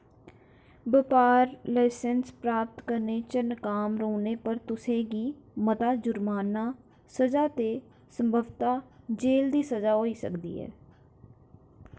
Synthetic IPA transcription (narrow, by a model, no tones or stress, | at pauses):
bɪpaːɾlaɪsənspɾaːp̚t̪kəɾneːt͡ʃənkaːmɾoːneːpəɾt̪ʊsẽːɡiːmət̪aːd͡ʒʊɾmaːnaː | səd͡ʒaːt̪eː | səmbʱəʋt̪aːd͡ʒeːld̪iːsəzaːɦoːiːsə̰kd̪ḭːɦɛ̰ː